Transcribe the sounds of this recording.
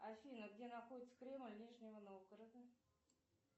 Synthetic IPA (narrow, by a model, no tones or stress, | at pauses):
afʲinəɡdʲe̞naxodʲɪt̪sə̥kɾʲe̞mlʲnʲiʐnʲɪvənovɡəɾəd̪ə